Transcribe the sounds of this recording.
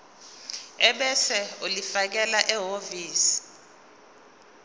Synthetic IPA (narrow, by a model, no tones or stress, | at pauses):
ɛɓɛsɛulifak̬ɛlaʔɛɦoviːsi̥